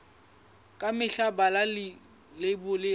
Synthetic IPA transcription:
kʼamɪɬabalal | lɪbʊlɪ

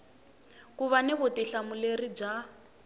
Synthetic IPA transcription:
kuβanɛβutiɬamulerib͡ʐa

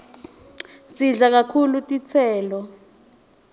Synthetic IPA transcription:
siɮak̬akʰulutʼit͡sʰɛːlɔ

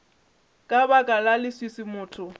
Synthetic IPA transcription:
kʼabakʼalalɪswisɪmʊːtʰʊ

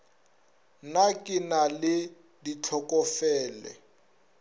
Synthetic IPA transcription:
nakʼɪnalɪ | dit͡ɬʰɔkʼɔfɛːlɛ̰

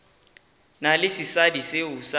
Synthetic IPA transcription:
nalɪsisadiseʊsa

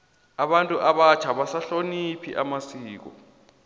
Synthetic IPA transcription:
aɓantʼuʔaɓat͡ʃʰaɓasaɬonipʰiʔamasiːk̬ɔ̰

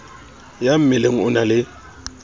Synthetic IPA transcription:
jam̩mɪleŋ̩ʊnalɪ

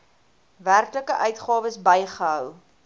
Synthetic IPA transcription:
værkləkəʔœɥtχɑːvəsbəjχəɦœw

